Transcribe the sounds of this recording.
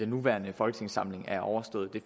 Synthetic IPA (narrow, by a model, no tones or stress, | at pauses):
d̥enːuʋæːɐnəfɒ̽lɡ̥ə̥t͡sʰe̝ŋ̰sɑ̈m̰le̝ŋæɐʔɒʊɐsd̥ɔ̽ð̞̩ˠd̥e̝